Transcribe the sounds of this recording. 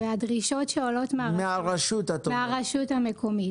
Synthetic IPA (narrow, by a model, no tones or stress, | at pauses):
veadʁiʃo̞tʃeolo̞tmeameaʁaʃut̪at̪omeaʁaʃutamekʰo̞mi